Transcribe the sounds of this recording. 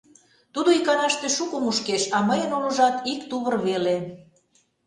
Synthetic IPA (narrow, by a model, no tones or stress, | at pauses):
t̪ud̪oikɑnɑʃt̪eʃukumuʃkeʃɑməjənolə̆ʒɑt̪ikt̪uβərβele